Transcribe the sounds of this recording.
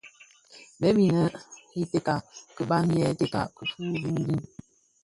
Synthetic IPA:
bɛ˦bi˨nə˦i˦te˦ka˨kə˨ɓa˦njɛ˦te˦ka̰˨kə˨fuː˦du˦di˦n

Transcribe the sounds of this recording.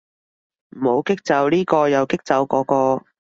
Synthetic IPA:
m̩˨˩ho˨˥wkɪ˥k̚t͡sɐ˨˥wliː˥kɔː˧jɐ˨˧wkɪ˥k̚t͡sɐ˨˥wkɔː˨˥kɔː˧

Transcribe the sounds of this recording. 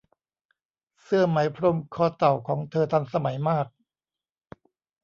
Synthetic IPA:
sɯ˥˩ɐma˩˦jpʰɾo˧mkʰɔː˧˩t̪a˨˩wkʰɔː˩˦ŋt̪ʰɤː˧t̪ʰa˧nsa˧ma˩˦jmaː˥˩k̚

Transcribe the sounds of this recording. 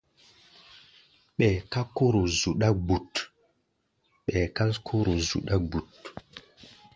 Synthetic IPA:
ɓɛ˨ka˦ko˦ɾo˨zu˨ɗa˦ɡ͡bu˨t | ɓɛ˨ka˦skʰo˦ɾo˨zṵ˨ɗa˦ɡ͡bu˨t

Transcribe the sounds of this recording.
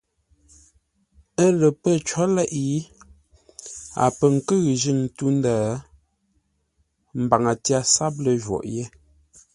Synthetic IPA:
ə˦lə˨pə˦t͡ʃɔ˦lɛ˦ʔi˦ | a̰˨pə˨ŋ̩˨kə˦ɣʒi˦˨ŋ˨tu˦n˦daː˦˨˦ | m̩˨ba˨ŋa˨tja˦sa˦p̚lə˨ʒwɔ̰˨ʔje˦

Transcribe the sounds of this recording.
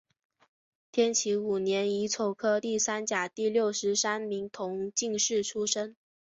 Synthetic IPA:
t̪ʰjɛ˥nt͡ɕʰi˧˥u˨˩njɛ˧˥ni˧˥t͡sʰo˨˩ʊkʰɤ˥t̪i˥˩sa˥nt͡ɕja˨˩t̪i˥˧ljo˥˩ʊʂɻ̩˧˥sa˥nmi˧˥ŋt̪ʰʊ˧˥ŋt͡ɕi˥˧ŋʂɻ̩˥˩ʈ͡ʂʰu˥ʂə˥ŋ

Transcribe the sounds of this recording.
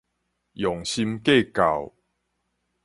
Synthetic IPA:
jɔ˨˩ŋɕi˧mke˥˧ka̰˨˩w

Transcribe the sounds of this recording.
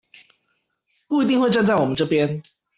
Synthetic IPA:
ku˥˨i˨˧t̪i˥˧ŋwe˥˧ʈ͡ʂa˥˧nt͡sa˥˩ɪwɔ˨˩mə˦nʈ͡ʂɤ˥˧˩pjɛ˦n

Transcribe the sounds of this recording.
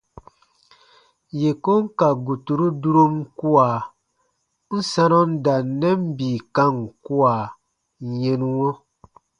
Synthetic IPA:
je˨ko˦ŋ˦ka˨ɡu˨tu˨ɾu˦du˦ɾo˦mku˦aː˨ | n̩˦sã˦nɔ˦n̩˦da˨˦nːɛ˦m˦biː˨kã˦ŋ˨ku˦aː˨ | je˦nu˦wɔ̃˦

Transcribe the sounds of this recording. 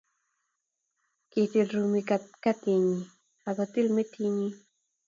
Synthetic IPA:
ki˨t̪i˧lɾu˧mi˧kat̪ka˦t̪i˧ɲi˨ | a˨ka˨t̪i˦lme˦t̪ʰi˦ɲi˦

